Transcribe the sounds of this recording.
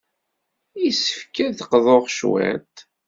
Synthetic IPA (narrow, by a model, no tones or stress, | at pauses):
isə̥fkæθqðˤoʁʃwæ̰t̪